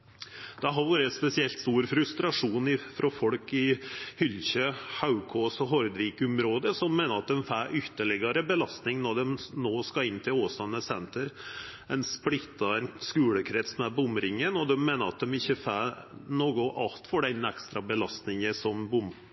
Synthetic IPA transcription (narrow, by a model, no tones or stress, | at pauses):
d̪̥ɛɦɑʋuːɾəɛspɛsɪɛlt̪st̪uːɾfɾʉst̪ɾɑʂuːnɪfɾɔfɔɽkɪhʏlçøhaʉkʰɔsɔɦɔɾd̪ʋiːkʊmɾoːd̪əsɔmːeːnəɾɑt̪̚d̪ɛmfæːɾʔʏt̪ːəɭɛɡəɾəbəlɑst̪nɪŋnɔɖɛmnoːskɑɪnːt̪ʰɪloːsɑnːəsɛnt̪əɾ | ɛnsplɪt̪ːɑɛnskʉːləkʰɾɛt̪smɛbʊmɾɪŋənɔd̪ɛmːeːnəɾɑ̰t̪̚d̪ɛmɪçːəfæːnoːɡʊʔɑlt̪fɔɖɛnɛkst̪ɾɑbəlɑst̪nɪŋəsɔmbʊm